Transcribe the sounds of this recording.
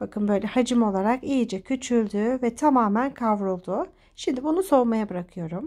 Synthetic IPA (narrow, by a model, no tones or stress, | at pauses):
b̥akʰɯnbø̞jlʲɛhad͡ʒɯmo̞lˠaɾakijid͡ʒɛcʰyt͡ʃʰylʲd̪yvɛt̪ʰamaːmænkʰavɾulˠd̪u | ʃimd̪ibunuso̞majabɯɾakʰɯjo̞ɾum